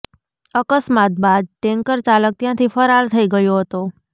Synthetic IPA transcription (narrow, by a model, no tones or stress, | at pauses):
əkəsmat̪̚bad̪̚ʈɛ̃ŋkəɾt͡ʃalək̚t̪jãt̪ʰifəɾalt̪ʰəiɡəjoɦət̪o